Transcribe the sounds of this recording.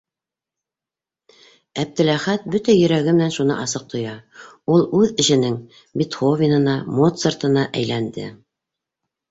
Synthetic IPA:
æp̚t̪ɘ̆læχæt̪̚bɵt̪æjɵ̆ɾæɡɘmɘ̆nænʃunɤ̰ʔɑsɤq̚t̪ŏjɑulˠʉðɘ̆ʃɘ̆nɘŋ | bit̪χovʲinɤ̆nɑmot̪sert̪ɤ̆nɑʔæjlænd̪ɘ̰

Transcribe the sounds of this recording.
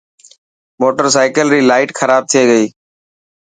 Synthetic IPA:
moːʈəɾsaːɪkəlɾiːlaːɪʈxʰəɾaːb̚t̪ʰɪieːɡəiː

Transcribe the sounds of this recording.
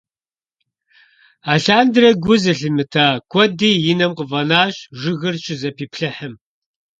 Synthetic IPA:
aːɬaːndɨɾɐɡʷʊzɨɬɨmɨtʰaːkʷʰʼɔdiːjɪnɐmqəvɐnaːɕʒɨɣɨrt͡ʃʼɪzɐpʰiːpʰɬɐħəm

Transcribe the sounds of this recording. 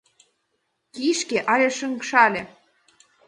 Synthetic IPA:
kiʃkeʔɑlʲeʃəŋkʃɑlʲĕ

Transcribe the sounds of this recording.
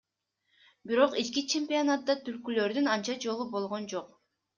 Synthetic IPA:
biɾo̞qit͡ʃkit͡ʃʰe̞mpʲionat̪̚ːɑt̪ylkylø̞ɾd̪ynɑnt͡ʃɑd͡ʒo̞lˠubo̞lˠʁo̞nd͡ʒo̞q

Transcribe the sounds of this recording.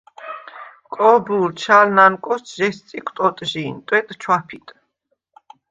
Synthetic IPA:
kʼɔbult͡ʃʰalnankʼɔst̪ʒɛst̪sʼikʰt̪ʼɔt̪ʼʒint̪ʼwɛt̪ʼt͡ʃʰwapʰit̪ʼ

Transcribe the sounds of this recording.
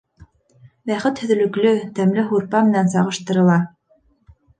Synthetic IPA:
bæχɘt̪hɵ̆ðɘ̆lɵ̆klɵt̪æmlɘɦuɾpɑmɘ̆nænsɑʁɤ̆ʃt̪ɤ̆ɾɤ̆lˠɑ

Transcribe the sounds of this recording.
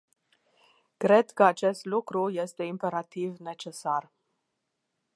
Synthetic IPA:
kɾe̞d̪kəat͡ʃe̞st̪lukɾuje̞st̪e̞impe̞ɾat̪ivne̞t͡ʃe̞sar

